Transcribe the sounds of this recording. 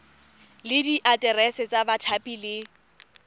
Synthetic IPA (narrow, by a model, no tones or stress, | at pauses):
lɪdiʔatʼɛrɛsɛt͡sʼabatʰapʼilɪ